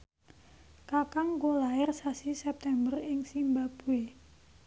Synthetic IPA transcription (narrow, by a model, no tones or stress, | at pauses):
kakaŋkolaɪrsasisɛp̚t̪ɛmbərɪŋsimbab̥ue